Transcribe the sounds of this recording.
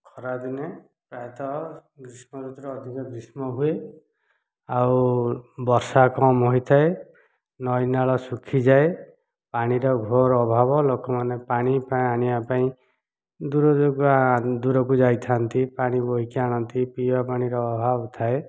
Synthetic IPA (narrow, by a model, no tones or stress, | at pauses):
kʰɔɾad̪ine | paet̪ɔɡɾismɔɾut̪ɔɾɔːd̪ʱikɔɡɾismɔɦue | awbɔɾsakɔmɦojt̪ʰae | nɔjnaɭɔsukʰid͡ʒae | paɽ̃iɾɔɡʱoɾːbʱabɔlokɔmanepaɽ̃ipãaɽ̃iapaĩ | d̪uɾɔd͡ʒokad̪uɾɔkud͡ʒajt̪ʰant̪ipaɽ̃iboɦikiaɽ̃ɔnt̪ipibapaɽ̃iɾɔːbʱabɔt̪ʰae